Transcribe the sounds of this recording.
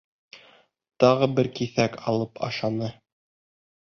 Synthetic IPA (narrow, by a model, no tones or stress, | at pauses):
t̪ɑʁɤbɘɾkiθækɑlˠɤpʰɑ̰ʃɑnɤ